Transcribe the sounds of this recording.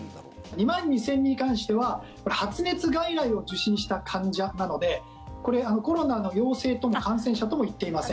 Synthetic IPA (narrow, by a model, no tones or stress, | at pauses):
ɲ̟imãɲ̟ːisẽ̞ɲ̟ːiɲikãɰ̃ɕi̥t̪e̞βa | ko̞ɾehat͡sɨne̞t͡sɨɡaiɾaio̞ʑɨɕĩɕi̥t̪akʰãɲd͡ʑianano̞d̪e̞ | ko̞ɾe̞ano̞ko̞ɾo̞nano̞jo̞ːse̞ːt̪o̞mo̞kãɰ̃s̬ẽ̞ɰ̃ɕ̬at̪o̞mo̞it̪ːe̞imasẽ